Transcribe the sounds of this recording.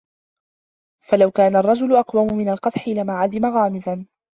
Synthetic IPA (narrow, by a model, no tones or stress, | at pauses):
falawkaːnarˤːɑd͡ʒʊlʊʔɑqwamʊmɪnalqɑt̪ˤħɪlamaʕad̪ɪmaɣaːmɪzan